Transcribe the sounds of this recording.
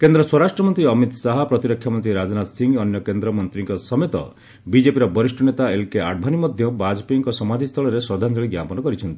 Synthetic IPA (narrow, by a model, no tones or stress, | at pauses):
kend̪ɾɔswɔɾasʈɾɔmɔnt̪ɾiɔmit̪saɦɔpɾɔt̪iɾɔkʰjamɔnt̪ɾiɾad͡ʒɔnat̪siŋɔnjɔkend̪ɾɔmɔnt̪ɾiŋkɔsɔmet̪ɔ̰ | bid͡ʒepiɾɔbɔɾisʈɔnet̪aelkeaɽbʱanimɔd̪ʱjɔbad͡ʒpiŋkɔsɔmad̪ʱist̪ʰɔɭɔɾesɔd̪ʱand͡ʒɔɭiɡjapɔnɔkɔɾit͡ʃʰɔnt̪i